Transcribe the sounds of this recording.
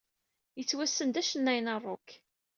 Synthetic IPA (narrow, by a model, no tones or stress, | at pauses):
jət͡sːwæsːənd̪æʃənːæjnərˤːʊk